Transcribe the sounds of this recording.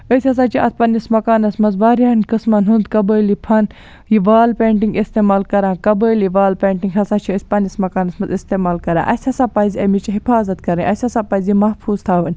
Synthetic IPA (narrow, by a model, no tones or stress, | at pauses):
əsʲɐs̬aːt͡ʃʰiʔɐ̰t̪̚pɐnismɐkaːnɐsmɐnzbaːɾʲjaːnkɨsmɐnɦund̪kɐbəːjlipʰɐn | jiʋaːlpeːɳʈiŋɡist̪eːmaːlkɐɾãːkɐbəːliʋaːlpeːɳʈiŋɡɦɐsaːt͡ʃʰiəsʲpɐnismɐkaːnɐsmɐnzist̪eːmaːlkɐɾa̰ːʔɐ̰sʲhɐsaːpɐziɐmit͡ʃiɦifaːzɐt̪̚kɐɾənʲʔɐsʲɐsaːpɐzjimɐhpʰuːz̥t̪ʰaːʋɐnʲ